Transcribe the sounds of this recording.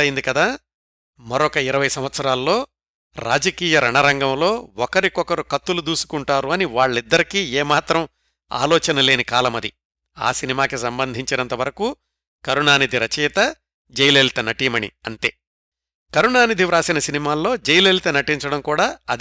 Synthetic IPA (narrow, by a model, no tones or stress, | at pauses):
ɐjind̪ikɐd̪aː | mɐɾɔkɐiɾɐʋɐjsɐmʋɐt̪sɐɾaːlːo̞ː | ɾa̰ːd͡ʒɐkiːjɐɾɐɳɐɾɐŋɡɐmlo̞ːɔkɐɾikɔkɐɾukɐt̪ːulud̪uːsu̥kuɳʈaːɾuɐniʋaːɭːid̪ːɐɾikiːeːmaːt̪ɾɐm | a̰ːlɔːt͡ʃɐnɐle̞ːnikaːlɐmɐd̪i | a̰ːsinimaːkisɐmbɐnd̪ʱiɲt͡ʃinɐnt̪ɐʋɐɾɐku | kɐɾuɳaːnid̪ʱiɾɐt͡ʃijt̪ɐ | d͡ʒejleːlit̪ɐnɐʈimɐɳḭɐnt̪e̞ː | kɐɾuɳaːnid̪ʱiʋɾaːsinɐsinimaːlːo̞ːd͡ʒejleːlit̪ɐnɐʈiɲt͡ʃɐɽɐmkuːɽaːɐd̪